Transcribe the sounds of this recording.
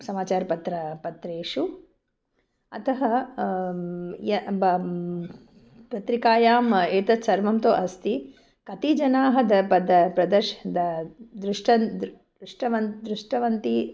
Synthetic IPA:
sɐmaːt͡ʃaːɾɐpɐt̪ɾɐpɐt̪ɾeːʂu | ɐt̪ʰɐɦɐ | jɐb | pɾɐt̪ɾikaːjaːmeːt̪ɐt̪sɐɾʋɐmt̪oːʔɐst̪i | kɐt̪id͡ʒɐnaːɦɐd̪ɐpɐd̪ɐpɾɐd̪ɐɾʃɐd̪ɐd̪ɾuʂʈʰɐnd̪ | ɾuʂʈɐʋɐd̪ɾuʂʈɐʋɐnt̪i

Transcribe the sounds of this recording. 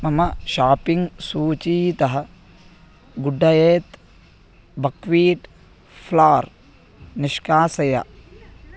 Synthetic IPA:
mɐmɐʃaːpiŋɡsuːt͡ʃiːt̪ɐɦɐ | ɡuɖʱːɐjeːt̪ | bɐkʋiːʈ | fʰlaːɾ | niʂkaːsɐjɐ̰

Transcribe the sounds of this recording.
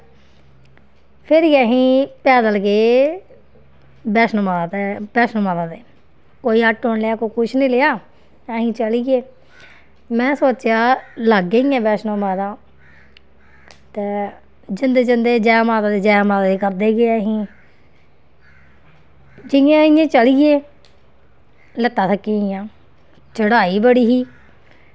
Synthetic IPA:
pʰɪɾiːɛːɦĩːpɛːd̪əlkeː | bɛːsnomad̪eːbɛːsnomãːd̪aːd̪eː | koːiːəʈɦoɳleaːkoːkʊt͡ʃʰnĩːleːaː | ɛːɦĩːt͡ʃəliɡeː | mɛ̃ːsoːt͡ʃjaːləɡeiːɛ̃ːbɛːsnõːmaːd̪ãː | t̪eː | d͡ʒɪnd̪eːd͡ʒɪnd̪eːd͡ʒaːaːmaːd̪aːd̪eːd͡ʒɛːaːmaːd̪aːd̪eːkəɾd̪eːɡeːəɦĩː | d͡ʒɪjãːɪjãːt͡ʃəliːeː | lət̪ːaːsʰəkːiːɪjãː | t͡ʃəɽaːiːbəɽiːɦiː

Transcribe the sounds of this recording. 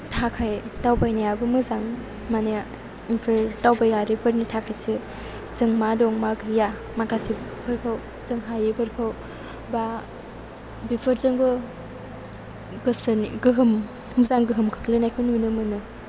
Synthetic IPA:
tʰakʰajtawbajnajabɯmɯzaŋ | mane | inpʰɯɾtawbajaɾipʰɯɾnitʰakʰajsɯ | z̥ɯŋmadɔŋmakja | makʰasibpʰɯɾkʰaw | z̥ɯŋɦajipʰɯɾkʰɯw | ba | bipʰɯɾzɯŋbɯ | ɡɯsnɡɯɦɯm | muzaŋɡɯɦɯmkʰɯ̥klɯnajkʰɯnnɯmɯnɯ

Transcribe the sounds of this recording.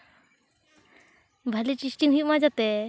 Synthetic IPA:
bʱalit͡ɕisʈiŋɦimad͡ʑat̪e

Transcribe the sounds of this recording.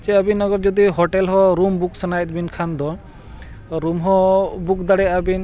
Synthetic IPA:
t͡ʃɛabinɔɡɔɾd͡ʒɔd̪iɦɔʈɛlɦɔɾumbuk̚sanajt̪̚binkʰand̪ɔ | ɾumɦɔbuk̚d̪aɽɛabin

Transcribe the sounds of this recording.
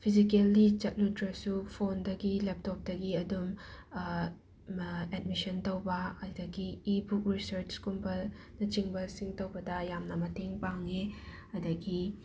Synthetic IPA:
pʰizikelit͡ʃɐt̚ludɾɐsupʰondɐɡilep̚tɔp̚dɐɡiɐdum | ɛd̚misɐntowbɐɐjdɐɡiːbuk̚ɾisɐɾt͡ʃkumpɐlnɐt͡ʃiŋbɐsiŋtowbɐdɐjamnɐmɐtʰeŋpaŋe | ɐdɐɡi

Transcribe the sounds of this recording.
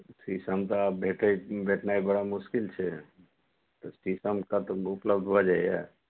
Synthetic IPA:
sisəmt̪ɔaːp̚bʱeʈəibʱeʈnaibəɽamʊskɪlt͡ʃʰɛ | t̪ɔsisəmkat̪ɔʊpləbd̪ʱbʱod͡ʒaija̰

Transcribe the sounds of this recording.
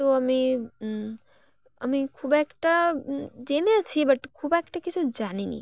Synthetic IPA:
t̪oɐmi | ɐmikʰuːbekʈad͡ʒenet͡ʃʰibɐʈkʰuːbekʈakit͡ʃʰud͡ʒaninḭ

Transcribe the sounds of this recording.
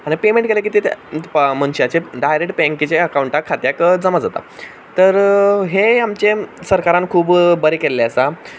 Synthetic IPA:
añipemẽɳʈ̚kelek̬iːt̪ʰet̪ʰmənɕiat͡ɕeɖajɾekʈ̚pɛŋkit͡ɕeəkawuɳʈakʰat̪jakd͡zəmad͡zat̪a̰ | t̪əɾɦeamt͡ɕesəɾkaɾãnkʰuːbbəɾekelːeəsa

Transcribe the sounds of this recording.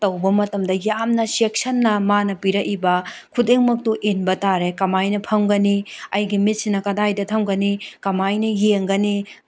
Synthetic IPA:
tɐwbɐmɐtɐmdɐjamnɐsek̚sɐnːɐmanɐpiɾɐʔibɐkʰudeŋmɐk̚tuʔenbɐtaɾekɐmajnɐpʰɐmɡɐniɐjɡimit̚sinɐkɐdajdɐtʰɐmɡɐnikɐmajnɐjeŋɡɐni

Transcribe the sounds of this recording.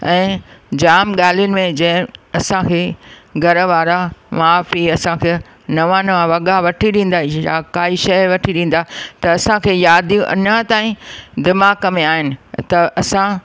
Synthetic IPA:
ɛ̃ːd͡ʑaːmɠaːl̤ijʊnɪ̆mẽd͡ʑɐ̃ɦɪ̃ɐsãkʰeːɡʱɐɾʋaːɾaʋaːfiɐsãkʰeː | nɐʋãnɐʋãʋɐɠaʋɐʈʰiɗĩːn̆d̪aːijakaːiʃɐjʋɐʈʰiɗĩːn̆d̪aːt̪ɐɐsãkʰeːjaːd̪iũʔɐ̰nɐt̪aːĩd̪ɪmaːkɐmeaːɦɪnɪ̆t̪ɐʔɐsã

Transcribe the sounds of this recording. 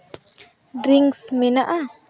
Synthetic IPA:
ɾiŋsmenaʔa

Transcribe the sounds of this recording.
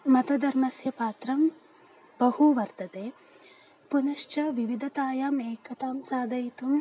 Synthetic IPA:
mɐt̪ɐd̪ɐɾmɐsjɐpaːt̪ɾɐm | bɐhuʋɐɾt̪ɐt̪eː | punɐʃt͡ʃɐʋiʋid̪ʱɐt̪aːjaːmeːkɐt̪aːmsaːd̪ɐjit̪um

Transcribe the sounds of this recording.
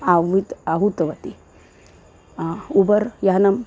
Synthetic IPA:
aʋit̪aɦut̪ʋɐt̪i | ubɐɾjɐɦɐnɐm

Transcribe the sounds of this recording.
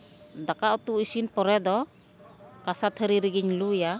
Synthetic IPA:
d̪akaʔut̪uisinpɔɾɛd̪ɔ | kasat̪ʰəɾiɾiɡiɲluja

